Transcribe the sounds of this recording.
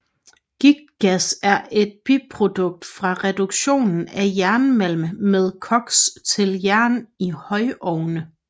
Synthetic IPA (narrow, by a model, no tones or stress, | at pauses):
ɡ̥iɡ̥̚ɡ̥æsæɐʔe̝d̥̚b̥ipʰʁo̝d̥ɔ̽ɡ̥̚d̥fʁɑ̈ʁɛd̥uɡ̥ɕo̝̰ːnn̩æjæɐnəmel̰məmeð̞ˠkʰɒ̽ɡ̥st͡sʰe̝ljæɐnihɒ̽ɪʔɒʊnə